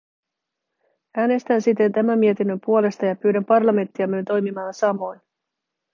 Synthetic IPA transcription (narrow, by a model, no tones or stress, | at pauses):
æːne̞st̪ænsit̪ːe̞nt̪æmæmmːie̞t̪inːømpuole̞st̪ɑjɑpyːɾæmpɑrlɑme̞nt̪ːiɑmynt̪o̞jmimɑːnsɑmo̞jn